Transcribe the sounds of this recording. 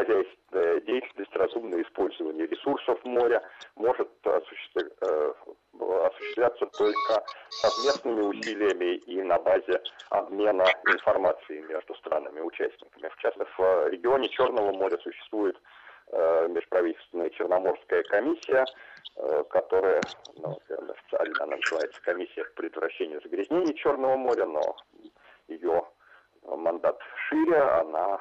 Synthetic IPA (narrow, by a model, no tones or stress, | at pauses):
xɐzʲæjst̪vʲɪnəjjədʲejɪtʲlʲnəsʲtʲrɐzumnəjəɪspo̞lʲzəvənʲɪjəɾʲɪsursəfmo̞ɾʲəmo̞ʐɨt̪ɐ̰ʊ | ɐsʊ̥ɕɪ̥st̪lʲæt̪sət̪o̞lʲkəsɐvmʲe̞snɨmʲɪʊsʲilʲɪjəmʲɪʔinɐbazʲɪɐ̰bmʲe̞nəɪnfɐrmat̪sɨɪmʲeʐd̪ʊst̪ɾa̰nːɨmʲɪʊt͡ɕæ̰sʲtʲnʲɪkəmʲɪft͡ɕasv̥ɾʲɪɡʲɪo̞nʲɪt͡ɕo̞rnəvəmo̞ɾʲəsʊɕːɪ̥st̪vujɪt̪ | mʲɪʂpɾɐvʲitʲɪlʲt̪vʲɪnəjət͡ɕɪrnɐmo̞rskəjəkɐmʲisʲːɪjə | kɐt̪o̞ɾəjənɐvʲḛrnə̰ɐ̰fʲɪt̪sɨa̰lʲnəɐ̰na̰nəzɨvajɪt̪sə̥kɐmʲisʲːɪjəpə̥pɾʲɪd̪vɾɐɕːenʲɪjʊzəɡɾʲɪzʲnʲenʲɪjət͡ɕo̞rnəvəmo̞ɾʲəno̞̰ | jɪjo̞ | mɐnd̪at̪ʂɨɾʲəa̰na